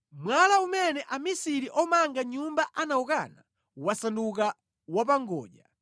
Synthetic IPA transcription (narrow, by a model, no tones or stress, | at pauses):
mwalaumɛnɛʔamisiɾiʔɔmaŋɡaɲumbaʔanauka̰na̰ | wasanduk̬a | wap̬aŋɡɔ̰ːʄa